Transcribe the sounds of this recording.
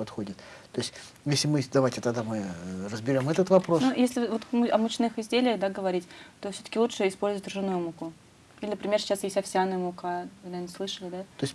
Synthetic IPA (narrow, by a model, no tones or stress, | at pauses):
pɐt̪xo̞dʲɪt̪t̪o̞jɪsʲtʲ | jesʲlʲɪmɨd̪ɐvajtʲɪt̪ɐd̪amɨrəzbʲɪɾʲo̞mɛt̪ət̪vɐpɾo̞snujesʲlʲɪvot̪mɐmʊt͡ɕnɨxɪzʲdʲelʲɪjəxd̪aɡəvɐɾʲitʲt̪ofsʲot̪ə̥kʲɪlˠut͡ʂʂɨɪspolʲzəvətʲrʐɨnujmukʊ | ilʲɪnəpɾʲɪmʲersʲɪ̥t͡ɕːasjesʲtʲɐfʲsʲanɨjmʊkaaɾnəslˠɨʂəlʲɪd̪atojɪsʲtʲ